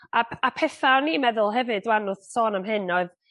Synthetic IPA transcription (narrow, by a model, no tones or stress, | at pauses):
aapʰɛθaniːmɛðʊlˠɦɛvɨdwanʊðsɔːnamɦɨnɔɨð